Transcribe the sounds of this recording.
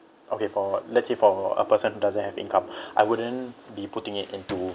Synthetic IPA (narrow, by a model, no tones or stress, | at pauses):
ʔokefɔlɛt̚sefɔə̰pəsə̃nhudazə̃nhɛvḭ̃nkãmʔajwudə̃nbiputɪ̃ŋitḭ̃ntu